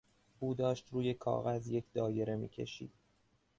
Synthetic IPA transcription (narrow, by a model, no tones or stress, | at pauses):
ʔuːd̪ɒːʃt̪ɾuːje̞kʰɒ̰ːɣæzje̞cʰd̪ɒːje̞ɾe̞mḭːcʰe̞̰ʃḭːd̪̥